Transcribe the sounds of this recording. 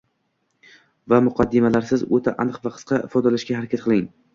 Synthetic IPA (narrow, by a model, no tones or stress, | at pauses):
vamʊqʰɑd̪ːɪmalaɾsɪzot̪ʰaʔanɨqvaqʰɨ̥sqʰɑʔɪfɒd̪alaʃkʲahaɾakʲʰat̪̚qʰɨlˠɪŋ